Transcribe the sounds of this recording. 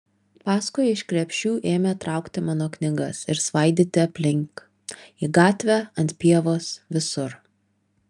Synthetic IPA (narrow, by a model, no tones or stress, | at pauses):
pɑːskʊjɪʃkɾʲɛpʲʃʲuːʔeːmʲet̪ɾɑˑʊkt̪ʲɪmɑːnoːknʲɪɡɐsɪɾsʋɐɪd̪ʲɪt̪ʲɪɐpʲlʲɪŋk | iːɡɑːt̪ʲʋʲæɐnʲt̪ʲpʲiɛʋoːsʋʲɪsʊɾ